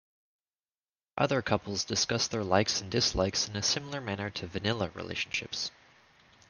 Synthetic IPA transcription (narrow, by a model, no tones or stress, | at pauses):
ʔʌ̰ðə˞kʰʌpl̩ˠzdɨskʌsðə˞laɪksn̩dɨsla̰ɪksɨ̃nɨsɪ̃ml̩ˠə˞mænə˞ɾɨvɨnɪlˠəɹḭlḛɪʃn̩ʃɪ̰ps